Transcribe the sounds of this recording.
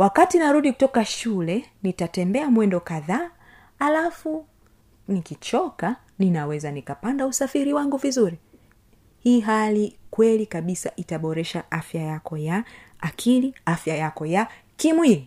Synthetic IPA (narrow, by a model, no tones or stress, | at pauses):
wakatinaɾuɗiku̥tɔkaʃulɛnitatɛmbɛamwɛndɔkaðaː | lafu | nikit͡ʃɔka | ninawɛzanikapandausafiɾiwaŋɡuvizuɾi | hiːɦalikwɛlikaɓisaʔitaɓɔɾɛʃaʔafjajakɔjaː | kʰiliafjajakɔja | kimwii